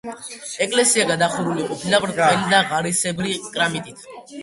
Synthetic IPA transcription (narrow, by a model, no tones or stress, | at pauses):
ɛkʼlɛsiaɡad̪aχuɾuliqʼɔpʰilapɾɛlid̪aʁaɾisɛbɾikʼɾamit̪ʼit̪ʰ